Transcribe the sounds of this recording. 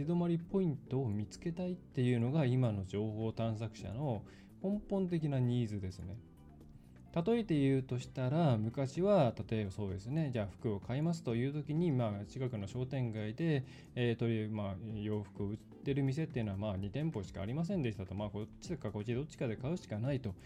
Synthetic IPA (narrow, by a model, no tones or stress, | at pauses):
ɕid̪o̞maɾʲipo̞ĩnt̪o̞ːmʲit͡sɨ̥ke̞t̪ait̪ːe̞jɯ̟ːno̞ɡaimano̞d͡ʑo̞ːho̞ːt̪ãɰ̃s̬akɯ̟̥ɕa̰no̞ | kõ̞mpõ̞nt̪̬e̞kʲinaɲ̟iːzɨd̪e̞sɨne̞ | t̪at̪o̞it̪e̞jɯ̟ːt̪o̞ɕi̥t̪aɾamɯ̟kaɕiβat̪at̪o̞ebaso̞ːd̪e̞sɨne̞d͡ʑaːɸɯ̟̥kɯ̟o̞kʰaimas̬ɨ̥t̪o̞jɯ̟ːt̪o̞kʲiɲ̟imaːt͡ɕikakɯ̟no̞ɕo̞ːt̪ẽ̞ŋɡaid̪e̞ː | t̪o̞ɾʲimajo̞ːɸɯ̟̥kɯ̟oɯ̟t̪ːe̞ɾɯ̟mʲis̬e̞t̪ːeiɯ̟noamaːɲ̟it̪ẽ̞mpo̞ɕi̥ka̰ːɾʲimas̬ẽ̞nd̪e̞ɕi̥t̪at̪o̞maːko̞t͡ɕːid̪ekakot͡ɕid̪ot͡ɕːi̥kad̪e̞kaɯ̟ɕi̥kanait̪o̞